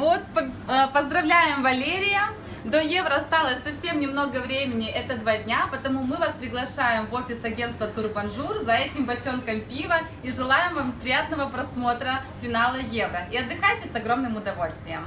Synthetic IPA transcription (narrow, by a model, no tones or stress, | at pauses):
vot̪pəpəzd̪ɾɐvlʲæjɪmvɐlʲeɾʲɪjə | d̪oje̞vɾəɐst̪alˠəsʲsɐfsʲe̞mnʲɪmno̞ɡəvɾʲemʲɪnʲɪʔɛt̪əd̪vadʲnʲapət̪ɐmumɨvaspɾʲɪɡlˠɐʂajɪmvo̞fʲɪsɐɡʲe̞nt̪vət̪ʊrbɐnʐurzɐɛtʲɪmbɐt͡ɕʲo̞nkəmpʲivə | iʐɨlˠajɪmvampɾʲɪjat̪nəvəpɾɐsmo̞t̪ɾəfʲɪnalˠəjevɾəiɐd̪ːɨxajtʲɪsɐɡɾo̞mnɨmʊd̪ɐvo̞lʲst̪vʲɪjəm